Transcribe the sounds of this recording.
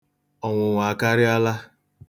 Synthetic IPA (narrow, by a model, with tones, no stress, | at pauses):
ɔ˨ŋʷʊ˨ŋʷa˨ka˦ɾɪ˦a˦la˦